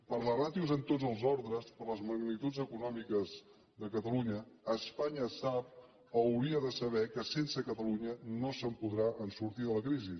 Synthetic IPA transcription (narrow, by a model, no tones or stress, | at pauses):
pəɾlərat̪iuzənt̪od͡zəlˠzɔɾðɾəspəɾləzməɡnit̪ud͡zəkunɔmikəz | ðəkət̪əluɲəːspaɲəsap̚ | əwɾiəðəsəβ̞ɛkəsensəkət̪əluɲənosəmpuðɾaʔənsuɾt̪iðələkɾizi